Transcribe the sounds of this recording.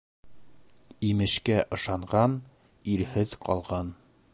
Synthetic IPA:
imɘ̆ʃkæʔɤ̆ʃɑɴʁɑn | iɾhɘðqʰɒ̰lˠʁɑn

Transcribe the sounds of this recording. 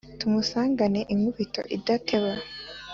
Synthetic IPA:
tumusaːŋɡane̞ʔiŋuβito̞̰ʔidatʰe̞we

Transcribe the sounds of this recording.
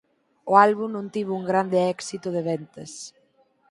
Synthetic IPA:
oalβumnõnt̪iβuŋɡɾand̪eɛksit̪oðeβɛnt̪es

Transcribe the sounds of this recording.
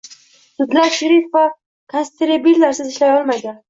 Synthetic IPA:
sʊd̪laɾʃɪɾɪfva | kʰonst̪eɾabilːaɾsɪzɪʃlajɒlˠmajd̪an

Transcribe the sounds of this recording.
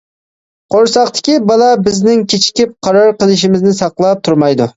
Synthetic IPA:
qʰoɾsɑqt̪ʰɪ̥kʲibɑlˠɑbɪznɪŋkʲʰet͡ʃʰkʲip̚qʰɑɾɑɾqəlˠɪʃ̬imɪznɪsɑqlˠɑp̚t̪ʰuɾmɑjd̪u

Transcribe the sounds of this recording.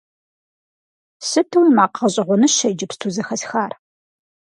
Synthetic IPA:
sɨtʰɨwnmaːqʰɐɕʼɪʁʷʊnɨʃɐjd͡ʒɪpstʰuːzɐxɐsxaːr

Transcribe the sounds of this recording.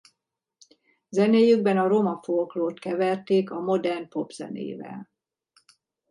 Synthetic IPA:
zɛneːjyɡ̚bɛnɒɾomɒfoːkloːt̪kɛvɛrt̪eːkɒmo̞d̪ɛrnpo̞bz̥ɛ̰nḛːvɛ̰l

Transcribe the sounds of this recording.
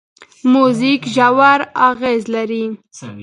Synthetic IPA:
muzikʒawaɾaɣezlaɾi

